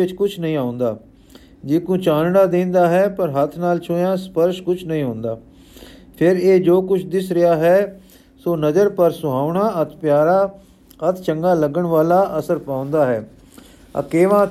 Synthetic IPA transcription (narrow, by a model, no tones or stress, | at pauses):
ɪt͡ʃkʊt͡ʃʰnəĩːaːʊ̃nd̪aː | d͡ʒɪːkũːt͡ʃãːnnaːd̪ẽːnd̪aːɦɛːpəɾɦət̪ʰnaːlt͡ʃʰoːjãːspəɾʃkʊt͡ʃʰnəĩːɦõːnd̪aː | pʰɪɾeːd͡ʒoːkʊt͡ʃʰd̪ɪsɾɪjaːɦɛː | soːnəd͡ʒəɾpəɾsʊɦaːʊɳaːət̪ʰpjaːɾaː | ət̪ʰt͡ʃəŋɡaːləɡəɳʋaːlaːʔəsəɾpãːʊ̃nd̪aːɦɛː | ə̰keːʋãː